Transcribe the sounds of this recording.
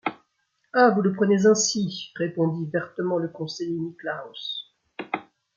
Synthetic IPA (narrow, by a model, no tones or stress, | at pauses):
avuləpχənezɛ̃siʁepɔ̃d̪ivɛʁt̪əmɑ̃ləkɔ̃sejeniklaɔs